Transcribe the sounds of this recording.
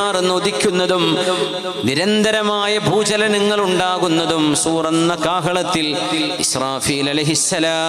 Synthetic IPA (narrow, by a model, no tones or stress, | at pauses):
aːrenːɨoðikʲːunːɐðum | niɾɐnd̪ʱɐɾɐmaːjɐbʱuːd͡ʑɐlɐnɐŋːɐɭuɳɖaːɣunːɐðumsuːrɐnːɐkaːɦɐɭɐt̪ːil | israːfiːlɐlɐjɦisːɐlaː